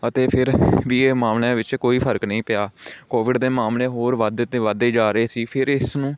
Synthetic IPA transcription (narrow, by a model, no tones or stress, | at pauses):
ət̪eːpʰɪɾʋiːeːmaːmlẽːʋɪt͡ʃkoːiːpʰəɾəknəĩːpɪjaːkoːʋɪɖd̪eːmaːmleːɦoːɾʋad̪t̪eːʋad̪eːd͡ʒaːɾəeːsiːpʰɪɾɪsnũː